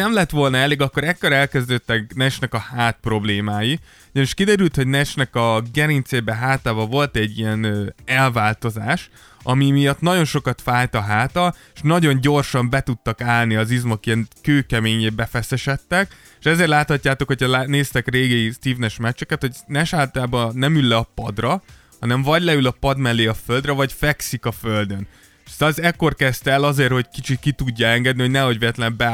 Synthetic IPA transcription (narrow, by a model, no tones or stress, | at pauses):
nɛmlɛt̪ʋo̞lnɒɛleːɡɒkːo̞ɾɛkːoɾɛlkɛzd̪øːt̪ːɛknɛt͡ʃnɛkɒhaːt̪̚pro̞bleːmaːji | oɟɒniʃkid̪ɛɾylt̪ho̞ɟnɛt͡ʃnɛkɒɡɛɾint̪seːbɛɦaːt̪aːbɒvo̞lt̪ɛɟːiɛnøːɛlvaːlt̪o̞zaːʃ | ɒmimijɒt̪nɒɟo̞nʃo̞kɒt̪faːjt̪ɒɦaːt̪ɒ | ʃnɒɟo̞ɲɟo̞rʃɒmbɛt̪ut̪ːɒkaːlniɒzizmɒkijɛnkøːkɛmeːɲeːbɛfɛsɛʃɛt̪ːɛk | ʃɛzeːrlaːt̪hɒcːaːt̪o̞kho̞cʰɒlaneːst̪ɛkreːɡɛist̪iːvnɛʃmɛt͡ʃːɛkɛt̪ho̞ɟnɛʃaːlt̪aːbɒnɛmylːɛɒpɒd̪rɒ | hɒnɛɱvɒɟlɛylɒpɒd̪mɛlːeːɒføld̪rɛvɒɟfɛksikɒføld̪ø̞n | st̪ɒzɛkːo̞rkɛst̪ɛlɒzeːrho̞ɟkit͡ʃit̪̚kit̪uɟːɒɛŋɡɛd̪niho̞ɟnɛɦo̞ɟveɛt̪lɛmbɛ